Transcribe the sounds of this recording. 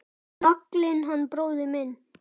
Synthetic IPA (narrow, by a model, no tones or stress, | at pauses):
nɔklɪnɦanːpɾoːwðɪmɪn